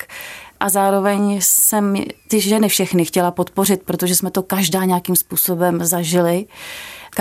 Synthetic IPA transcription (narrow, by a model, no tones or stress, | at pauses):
ʔazaːɾo̞vɛɲsɛmt̪ɪʒɛnɪfʃɛxnɪxcɛlapo̞t̪po̞rɪt̪̚pɾo̞t̪o̞ʒɛsmɛt̪o̞kaʒdaːɲɛjakimspuːso̞bɛmzaʒɪlɪ | k